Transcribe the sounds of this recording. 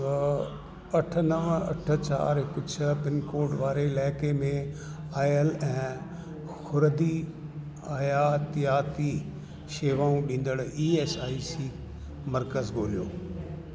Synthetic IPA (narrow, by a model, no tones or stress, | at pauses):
ɐʈʰənəʋɐ̰ʈʰə̆t͡ɕa̰ːɾɦɪkʊd͡ʑʰpɪnkoːɾɖʋaːɾelaːɪkemẽ | aːjəlɛ̃ː | xʊɾd̪i | aːjaːt̪jaːt̪i | ʃeːʋaːũɗĩːn̆d̪əɽiːeːsaːisiː | mɐɾkəzɡʱoːlijoː